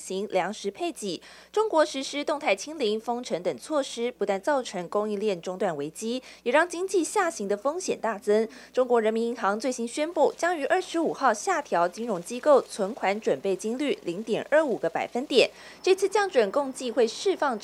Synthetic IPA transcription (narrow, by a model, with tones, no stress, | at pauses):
ɕi˧˥ŋljɑ˧˥ŋʂɻ̩˧˥pʰe˥˩ɪt͡ɕi˨˩ | ʈ͡ʂʊ˥ŋkwɔ˧˥ʂɻ̩˧˥ʂɻ̩˥t̪ʊ˥˧ŋt̪ʰa˥˩ɪt͡ɕʰi˥ŋli˧˥ŋfɤ˥ŋʈ͡ʂʰə˧˥ŋt̪ə˨˩ŋt͡sʰwɔ˥˩ʂɻ̩˥pu˧˥t̪wa˥˧nt͡sɑ˥˩ʊʈ͡ʂʰɤ˧˥ŋkʊ˥ŋi˥˧ljɛ˥˩nʈ͡ʂʊ˥ŋt̪wa˥˩nwe˧˥ɪt͡ɕi˥jɛ˨˩ɻɑ˥˩ŋt͡ɕi˥ŋt͡ɕi˥˧ɕja˥˩ɕi˧˥ŋd̪ə˧fɤ˥ŋɕjɛ˨˩nt̪a˥˩t͡sə˥ŋʈ͡ʂʊ˥ŋkwɔ˧˥ɻə˧˥nmi˧˥ni˧˥ŋxɑ˧˥ŋt͡swe˥˩ɪɕi˥nɕɥɛ˥npu˥˩t͡ɕjɑ˥ŋy˧˥ʔə˞˥˩ʂɻ̩˧˥u˨˩xɑ˥˧ʊɕja˥˩t̪ʰjɑ˧˥ʊt͡ɕi˥nɻʊ˧˥ŋt͡ɕi˥ko˥˩ʊt͡sʰwə˧˥nkʰwa˧˥nʈ͡ʂwə˨˩npe˥˩ɪt͡ɕi˥ŋly˥˩li˧˥ŋt̪jɛ˨˩nə˞˥˩u˨˩ɡə˦pa̰˨˩ɪfə˥nt̪jɛ̰˨˩n | ʈ͡ʂɤ˥˧t͡sʰɹ̩˥˧t͡ɕjɑ˥˩ŋʈ͡ʂwə˨˩nkʊ˥˧ŋt͡ɕi˥˧xwe˥˧ɪʂɻ̩˥˧fɑ˥˩ŋ